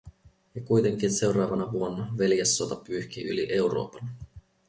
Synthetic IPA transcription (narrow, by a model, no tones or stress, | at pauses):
jɑkujt̪e̞ŋk̟inse̞wɾɑːʋɑnɑʋuonːɑʋe̞ljesːot̪ɑpyːçk̟iʔyliʔe̞wɾo̞̰ːpɑn